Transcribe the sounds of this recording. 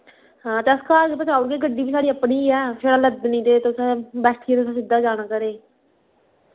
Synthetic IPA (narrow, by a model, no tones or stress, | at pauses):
ɦãːt̪ɛskaːɾpət͡ʃaːʊɾkeːɡəɖːiːbiːsaːɽiːəpɳiːɛːpʰɪɾaləd̪nĩːt̪eːt̪ʊsɛ̃ːbɛːʈʰiːt̪ʊsãːsɪd̪aːd͡ʒaːɽaːkəɾeː